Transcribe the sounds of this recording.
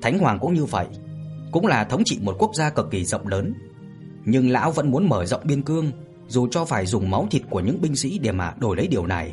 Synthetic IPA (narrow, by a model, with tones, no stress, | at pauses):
t̪ʰa˨˦jŋhwaː˨˩ŋkʊ̰˧˥ŋ͡mɲɨ˧və̰˧˨jkʊ̰˧˥ŋ͡mlaː˨˩t̪ʰə˨˦wŋ͡mt͡ɕḭ˧˨mo˨˩t̚ku˦˥ək̚zaː˧kɨ˨˩k̚ːi˨˩zə̰˧˨wŋ͡mləː˨˦n | ɲɨ˧ŋla̰ː˧˥wvə̰˧˥nmu˨˦ənməː˧˩zə̰˧˨wŋ͡mɓi˧ənkɨ˧əŋ | zu˨˩t͡ɕɔ˧faː˧˩jzʊ˨˩ŋ͡mma˨˦wt̪ʰi˨˩t̚ku˧˩əɲɨ̰˧˥ŋɓï˧ŋ̟sḭ˧˥ɗe˧˩maː˨˩ɗo˧˩jlə˨˦jɗi˨˩əwna˨˩j